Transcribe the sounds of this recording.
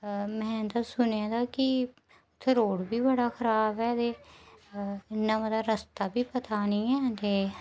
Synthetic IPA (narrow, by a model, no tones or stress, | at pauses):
mɛ̃ːd̪aːsʊneãːd̪aːkɪ | ʊt̪ʰːeːɾoːɽbiːbəɽaːkʰəɾaːbɛːt̪eː | ɪnːãːbəd̪aːɾəst̪aːbiːpət̪ʰaːnĩːɛːt̪eː